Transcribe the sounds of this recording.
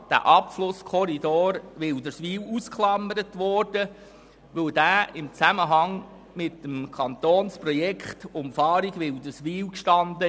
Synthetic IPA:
d̥æ̰ːʔɑpflʊskʰɔɾid̪oːɾʋɪld̪əɾsʋiːwuskχlɑməɾət̪ʋɔd̥ə | ʋɵwd̥̪æːɪmt͡sæməɦɑŋ | mɪt̪ːəmkʰɑnt̪oːnsprɔjɛkχtʊmfɑːɾiɡʋɪld̪əsʋiːwkʃtɑnd̪ə

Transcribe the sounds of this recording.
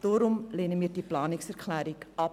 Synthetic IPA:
d̥oːɾʊmleːnəmiːdiplɑːnɪksɛrkʰlæːɾikɑ

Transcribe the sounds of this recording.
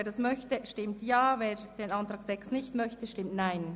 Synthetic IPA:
eːɐɾdasmœçtəʃtɪmtjaːveːɾd̥eːnɑntʁaːɡ̥z̥ɛksnɪçtmœçtəʃtɪmtnaɪn

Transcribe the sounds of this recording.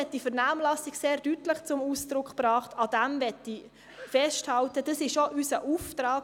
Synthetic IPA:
ɛt̚d̥ifəɾnaːmlɑsɪɡseːɾdytləχt͡sʊmuːsd̥ɾʊkχpɾɑːχtɑd̥ɛmvɛtːi | fɛʃthɑltəd̥ɑsɪʃoʔysəʔuːftɾɑːk

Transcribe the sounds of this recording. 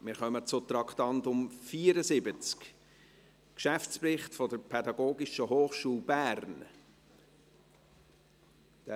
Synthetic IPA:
mɪːɾχœmət͡sʊt̪ɾɑkt̪ɑntʊmfiːəɾəsɪbət͡sk | kʃæft͡spɾɪχtfɔdəɾpʰɛd̪ɑɡoːɡɪʃəɦoːχʃuːlˠbæːɾn | d̥æ

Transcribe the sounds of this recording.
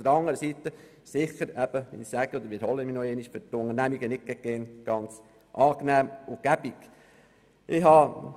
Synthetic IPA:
d̪̥əɾɑŋːəɾəsit̪ə | sɪχəɾɛb̥əʋḭnisæɡ̥əɔd̪əɾʋɪɾhɔlːəminɔeːniʃfʏtʊŋəɾnæmiɡənɪk̚ɡ̥ɛɡ̥ɛːnɡ̥ɑnt͡s | ʔɑːknæːmʊɡ̥æb̥ik | ʔɪɦɑ

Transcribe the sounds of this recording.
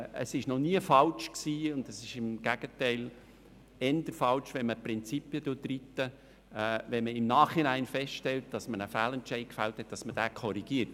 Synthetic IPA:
ə̰sɪʃnɔniəfɑlʃksiːʊnd̪əsɪʃɪmɡ̥æɡ̥ətɛɪl | ɛnd̪əɾfɑlʃʋɛnməpɾɪnt͡sipjəd̥ʊdritːəː | ʋɛnməɪmnɑːχhinæɪnfɛstʃtɛlt̚d̥ɑsmənəfæːlɛntt͡ʃɛɪkfælthɛt̚d̥ɑsməd̥æːkʰɔɾiɡ̥iəɾt

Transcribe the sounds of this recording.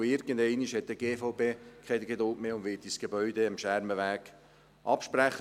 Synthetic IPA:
ɪɾɡ̥ənd̪ɛɪniʃhɛt̪̚d̥̪əɡeːfoʊpeːkʰɛdɡ̥ed̪ʊltmeːʊnd̪ʋɪːt̚d̥isɡ̥ebœʏd̪eəmʃæɾməʋæːɡ̥ | ʔɑpʃpɾæχə

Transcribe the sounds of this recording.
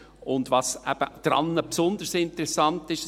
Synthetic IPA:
ʊndʋɑːsɛb̥əd̪̥ɾɑ̰nːəpsʊnd̪əɾsɪntəɾɛsɑntɪʃ

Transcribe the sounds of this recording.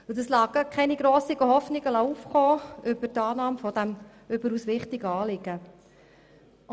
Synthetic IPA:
ɪdəslɑːɡəkʰɛniɡɾoːsiɡəɦɔfnɪɡəlɑuːfχoːʏb̥ətɑːnɑːmfɔd̥̪æm | ʏbəɾuːsʋɪχtɪɡəɑːlɪɡ̥ə

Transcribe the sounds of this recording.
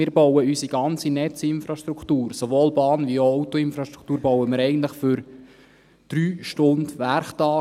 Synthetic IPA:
ɪːɾbɔwəysiɡɑnt͡sinɛt͡sɪnfɾɑʃtɾukʰt̪uːɾsovoːlbɑːnʋioɔʊt̪ɔɪnfɾɑʃtɾu̥kʰt̪uːɾbɔwəmɪːɾɛɪɡən̩t̪ləχfʏɾ | d̥ɾyːʃtʊndʋæɾχtɑː

